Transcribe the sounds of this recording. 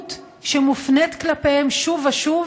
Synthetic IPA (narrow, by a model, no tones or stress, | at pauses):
t̪ | ʃemufnetklapehemʃuvaʃuv